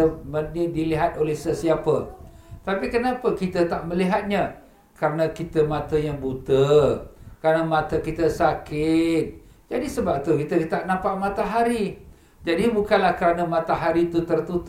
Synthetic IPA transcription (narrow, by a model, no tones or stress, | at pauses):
əmənidiliɦat̪̚olɛhsəsiapə | t̪apikənapəkit̪ət̪aʔməliɦat̪̚ɲã | kaɾənãkit̪əmat̪əjaŋbut̪ə | kəɾanamãt̪əkit̪əsakɪt̪̚ | d͡ʒadisəbap̚t̪ukit̪ət̪aʔnãmpaʔmat̪aɦaɾi | d͡ʒadibukanlahkəɾanəmãt̪aɦaɾit̪ut̪ərt̪ut̪